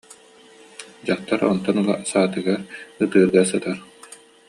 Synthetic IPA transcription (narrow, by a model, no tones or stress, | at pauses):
d͡ʑaχt̪aɾɔ̰nt̪ɔnulˠa̰saːt̪ɯɡaɾɯt̪ɯːɾɡasɯt̪aɾ